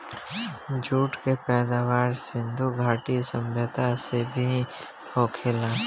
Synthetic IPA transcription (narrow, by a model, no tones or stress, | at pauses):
d͡ʒuːʈkepɛːd̪aːʋaːɾsɪ̃nd̪ʱuɡʱaːʈisə̃mbʱət̪asebʱi | pʰoːkʰela